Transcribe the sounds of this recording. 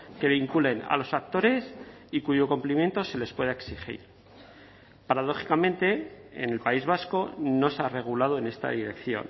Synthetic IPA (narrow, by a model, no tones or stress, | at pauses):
ke̞βiŋkule̞na̰lo̞sak̚t̪o̞ɾe̞sikuʝo̞komplimje̞nt̪o̞se̞le̞spweðaeksixḭɾ | paɾað̞o̞χi̥kamẽ̞nt̪e̞̰ːne̞lpaizβ̞asko̞no̞seare̞ɣ̞ulað̞o̞e̞ne̞st̪a̰ðiɾe̞kθjo̞̰n